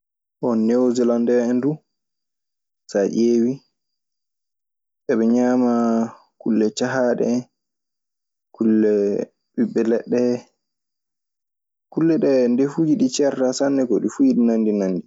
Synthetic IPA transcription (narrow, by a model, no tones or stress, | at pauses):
ʔɔnːɛwzɛlandɛɛndu | saʔeːwi | ɓɛɓɛɲaːma | kulːɛt͡ʃaɦaɗɛ | kulːɛ | ɓiɓːɛlɛɗːɛ | kulːɛɗɛndefud͡ʒiɗit͡ʃɛɾtasanːɛɡɔɗifujiɗinandinanːdi